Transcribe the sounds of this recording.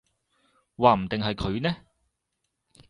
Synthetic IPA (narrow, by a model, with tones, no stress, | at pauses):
waː˨˧m̩˨˩t̪ɪ˨ŋɦɐ˨jkʰɵ˨˧ɥnɛː˥